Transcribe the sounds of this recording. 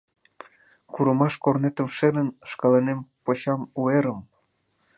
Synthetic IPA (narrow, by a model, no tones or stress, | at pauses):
kuɾəmɑʃkornet̪əmʃeɾənʃkɑlenempoɕɑmueɾəm